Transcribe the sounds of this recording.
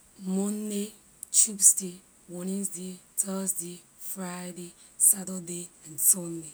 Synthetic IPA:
mɔnːe | t͡ʃubsde | wɔnĩnsdetəsde | fɹajde | satədeãntɔnde

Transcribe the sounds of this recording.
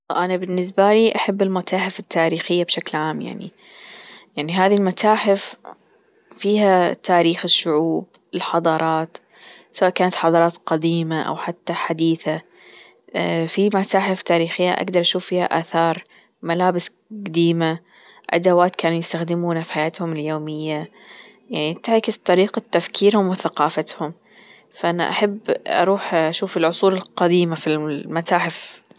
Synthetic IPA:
ʔanabɪnːɪs̬baliʔaħabːɪlmat̪aːħɪfɪt̪ːaːɾiːxɪjːabʃaklʕaːmja̰ʕnḭ | jaʕniɦaːðilmat̪aːħɪf | fiːhat̪aːɾiːxɪʃːʊʕuːb̚ | ɪlħɑd̪ˤɑːɾˤɑːt̪ | sawaːʔkaːnat̪ħɑd̪ˤɑɾˤɑːt̪qɑd̪iːmaʔa̰wħat̪ːaħad̪iːθa | fimat̪aːħɪft̪aːɾiːxɪjːa̰ʔa̰ɡd̪ɑɾˤʔaʃuːfːiːha̰ʔaːθɑːɾˤ | malaːbɪs | ɡad̪iːma | ʔa̰d̪awaːt̪kaːnujɪst̪axd̪ɪmuːnafiħajaːt̪hʊmɪljoːmɪjːa | jaʕnit̪ɪʕkɪst̪ˤɑɾiːqat̪ːafkʰiːɾhʊmwɪθaqɑːfat̪hʊm | faʔana̰ʔa̰ħabːʔɑ̰ɾˤuːħʔaʃuːfɪlʕʊsˤuːlɪlqɑd̪iːmafilmat̪aːħɪf

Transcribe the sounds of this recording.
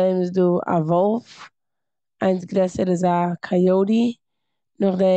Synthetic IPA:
eɪmsdua̰vɔlˠf | aɪnsɡɾɛsəɾazakʰajoʊɾi | nʊχdɛ

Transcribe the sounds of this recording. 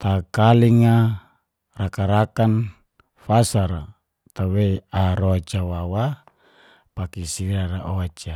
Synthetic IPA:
t̪akaliŋa | rakaɾakan | fasaɾa | t̪aweaɾoat͡ʃawawa | pakisiɾaɾaʔoat͡ʃa

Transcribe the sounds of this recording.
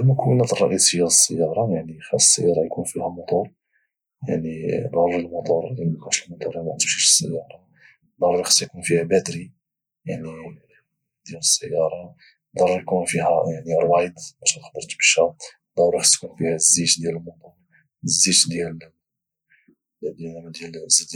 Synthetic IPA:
mʊkəwənæt̪ərˤːɑʔisijːæləsːəjːɑɾˤɑjaʕnixæsːə̰jːɑɾˤɑjkunfihæmʊt̪ˤuɾ | ja̰ʕnib̪ɑɾˤɾilmɑt̪ˤuɾˤikuʃəlmɑt̪ˤuɾmæʔt̪bʃiʃə̥sːə̰jːɑɾˤɑ | d̪ˤɑɾˤɾixsjkunfihæbæt̪ɾi | jaʕni | d̪jæləsːəjːɑɾˤɑ | d̪ˤɑɾˤɾjkunfihæjaʕniɾˤbɑjd̪mæʃænxb̪əɾˤt̪bəʃæ | d̪ˤɑɾˤɾixsjkunfihæzːit̪d̪jæləlmʊt̪ˤuɾˤ | zːit̪d̪jæl | d̪d̪jælzid̪

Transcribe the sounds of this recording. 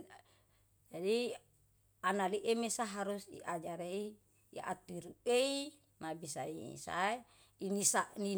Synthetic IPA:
d͡ʒadi | analiʔemesaɦaɾusḭʔad͡ʒaɾeiː | a̰t̪iɾuei | mabisaḭsa̰e | inisaʔni

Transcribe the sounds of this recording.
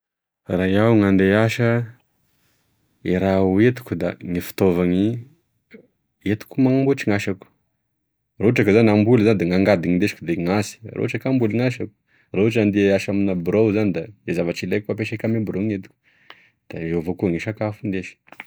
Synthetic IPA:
rajawŋand̪eaʃə | iɾauet̪u̥kud̪a̰ŋifi̥t̪ovaŋi | et̪u̥kʲumaŋmbuʈ͡ʂiŋaʃaku̥ | roʈ͡ʂakazanambulzanid̪eŋaŋɡad̪iŋind̪eʃi̥kud̪eŋasi̥ro̰uʈ͡ʂakambuliŋaʃaku̥ | rauʈ͡ʂand̪eaʃaminabɾowzanid̪aezavaʈ͡ʂilajkapeʃakʲamibɾoŋet̪u̥kʲu̥ | d̪̥aevokuŋiʃakafund̪eʃi̥

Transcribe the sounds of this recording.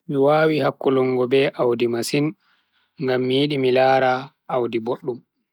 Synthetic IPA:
miwaːwihakːulɔŋɡɔbɛʔawdimasin | ŋɡamːijiɗimilaːɾa | ʔːwdiboɗːum

